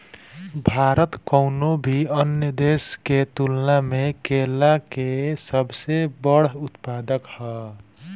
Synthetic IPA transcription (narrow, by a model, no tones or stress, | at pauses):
bʱaɾət̪kəwnobʱiʌnjəd̪esket̪ulnamekelakesəbsebʌɽut̪pad̪əkhʌ